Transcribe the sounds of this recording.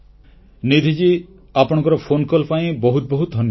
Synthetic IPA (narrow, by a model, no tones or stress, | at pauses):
nid̪ʱid͡ʒi | apɔɽ̃ɔ̃ŋkɔɾɔpʰonkɔlpaĩbɔɦut̪̚bɔɦut̪̚d̪ʱɔnjɔ